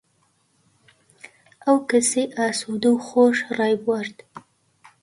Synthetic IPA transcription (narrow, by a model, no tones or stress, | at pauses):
awkəseʔasud̪əwxoʂɾɑjbwaɾd̪